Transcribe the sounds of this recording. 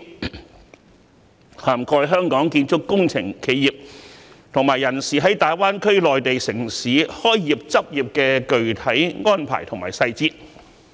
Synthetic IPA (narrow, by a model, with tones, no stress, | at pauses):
haː˨˩mkɔː˧jɦœː˥ŋkɔː˨˥ŋkiː˧nt͡sʰʊ˥kːʊ˥ŋt͡sʰɪ˨˩ŋkʰe˨˧jiː˨˩p̚t̪ʰʊ˨˩ŋmaː˨˩jːɐ˨˩nsiː˨ɦɐ˨˥jt̪aː˨jwaː˥nkʰɵ˥ɥlɔː˨jt̪e˨jsɪ˨˩ŋsiː˨˥hɔː˥jjiː˨˩p̚t͡sɐ˥p̚jiː˨˩p̚kɛː˧kɵ˨ɥt̪ʰɐ˨˥jŋɔː˥npʰa̰ː˨˩jt̪ʰʊ˨˩ŋmaː˨˩jsɐ˧jt͡siː˥t̚